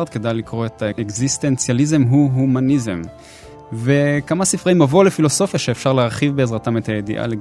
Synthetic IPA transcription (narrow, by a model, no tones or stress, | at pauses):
d̪̚ke̞dajlikʁo̞et̪ʰaekzist̪ent͡sjalizemɦuɦumanizem | ve̞kamasifʁaimavolefilo̞so̞fjaʃeːfʃaʁleaʁχivbeːzʁatamet̪ajed̪ḭʔa̰le